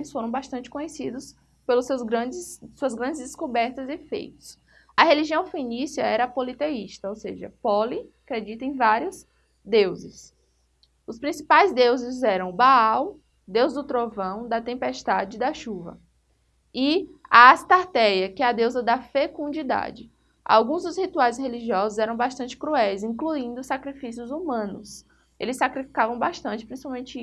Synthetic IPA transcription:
ɪsfoɾɐ̃w̃baʃt̪ɐ̃nt͡ʃɪ̥kõɲesid̪ʊs | pelʊsewzɡɾɐ̃d͡ʒɪssuɐzɡɾɐ̃nd͡ʒɪzd̪ɪskubɛɾt̪ɐzɪfḛjt̪ʊ̥s | ɐɦeliʒiɐ̃w̃fĩnisiɐɛɾɐpolit̪eiʃt̪ɐowseʒɐ̰pɔliakɾed͡ʒit̪ɐẽj̃vaɾiʊs | d̪ewzɪs | ʊspɾĩsi̥pajzd̪ewzɪzɛɾɐ̃w̃baaw | d̪ewzd̪ʊt̪ɾovɐ̃w̃d̪ɐt̪ẽmpeʃt̪ad͡ʒɪd̪ɐʃuvɐ̰ | ɪaːst̪aɾt̪ɛjɐkɪɛɐd̪ewzɐd̪ɐfekũnd͡ʒid̪a̰d͡ʒɪ | a̰wɡũzd̪ʊzhit̪uajsheliʒiɔzʊzɛɾɐ̃w̃baʃt̪ɐ̃nt͡ʃɪ̥kɾuɛjzĩkluĩnd̪ʊsakɾifisiʊzumɐ̃nʊs | elɪsːakɾifi̥kavɐ̃w̃baʃt̪ɐ̃t͡ʃɪpɾĩsi̥paw̃mẽnt͡ʃɪi

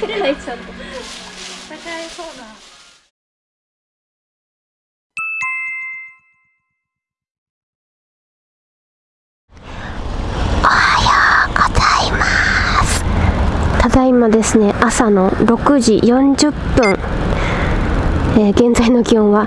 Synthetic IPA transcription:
o | ohajaɡ̥ozaimasɨ̥t̪ad̪aimad̪e̞sɨne̞ʔasano̞ɾo̞kɯ̟ʑḭjõ̞ɲ̟d͡ʑɨpːɯ̟̃ŋ̃ | eːɡẽ̞nd͡zaino̞ɡʲihõβa

